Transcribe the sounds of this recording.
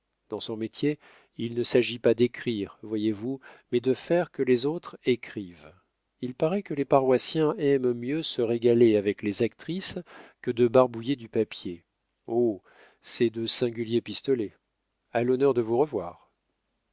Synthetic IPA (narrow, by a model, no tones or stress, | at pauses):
d̪ɑ̃sɔ̃met̪je | ilnəsaʒipad̪ekχiʁvwajevumɛd̪əfɛʁkəlezot̪χekχiv | ilpaʁɛkəlepaʁwasjɛ̃ɛmmjøsəʁeɡaleavɛklezak̚t̪χiskəd̪əbaʁbujed̪ypapje | o | sɛd̪øsɛ̃ɡʲyljepist̪ɔlɛ | alɔnœʁd̪əvuʁəvwa̰ːʁ